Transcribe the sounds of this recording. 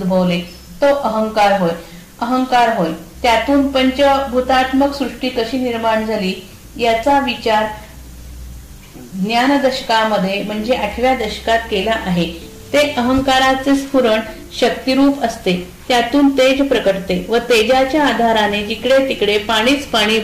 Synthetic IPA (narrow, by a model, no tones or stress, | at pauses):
ud̪bʱəʋle | t̪oʔəɦəŋkaɾɦoj | əɦəŋkaɾɦojt̪jat̪uːnpəɲt͡ɕəbʱut̪at̪məksɾuʂʈiːkəɕiːniɾmaɳd͡zʱaliː | jat͡saʋit͡ɕaɾ | ɡnjand̪əɕə̥kaməd̪ʱːjem̤əɳd͡zeʔaʈʰʋjad̪əɕə̥kat̪̚kelaʔaɦe | t̪eʔəɦəŋkaɾat͡sespuɾəɳ | ɕək̚t̪iɾuːpəst̪e | t̪jat̪uːnt̪ed͡zpɾəkəɽt̪eʋət̪ed͡ʑat͡ɕjaːd̪ʱaɾaned͡ʑikɽet̪ikɽepaɽ̃iːt͡spaɽ̃iː